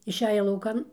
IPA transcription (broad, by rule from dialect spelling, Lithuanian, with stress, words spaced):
ɪʃʲˈæːjɛ lˠɐʊˈkɐn